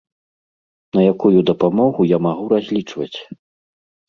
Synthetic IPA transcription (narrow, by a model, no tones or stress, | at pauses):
nɐjakujud̪ɐpamɔɣujamaɣuɾazʲlʲit͡ʂvɐt͡sʲ